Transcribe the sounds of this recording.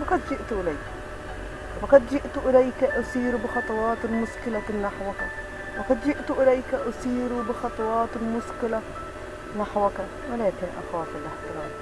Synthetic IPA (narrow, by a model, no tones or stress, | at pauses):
lɪqɑd̪d͡ʒɪʔt̪ʔɪlajk | wɪqɑd̪d͡ʒɪʔt̪ʔɪlajkaʔʊsˤiːɾubɪxɑt̪ˤɑwɑːt̪ɪlmʊskɪlanːaħwɪka | wɪqɑd̪d͡ʒɪʔt̪ʊʔɪlajkʔʊsˤiːɾubɪxɑt̪ˤɑwɑːt̪ɪlmʊskɪla | naħwɪka | walaːkɪnʔa̰xaːfɪlʔɪħt̪ɪlaːl